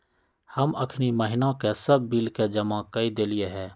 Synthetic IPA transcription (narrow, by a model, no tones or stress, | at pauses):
hɐmə̰kʰniməɦɪnakesəb̚ːiːlked͡ʒɐmãkɐid̪eːlɪjeɦɛː